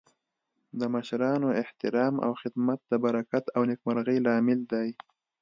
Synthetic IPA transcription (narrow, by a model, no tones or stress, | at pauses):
d̪əmaʃɾɑnoɪht̪ɪɾɑma̰wxɪd̪mat̪̚d̪əbaɾakat̪awnɪkmaɾɣəjlɑmɪld̪aj